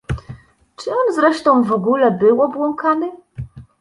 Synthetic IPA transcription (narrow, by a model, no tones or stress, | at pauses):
t͡ʂɘɔnzɾɛʂt̪ɔ̃w̃vɔɡulɛbɘwɔbwɔŋkanɘ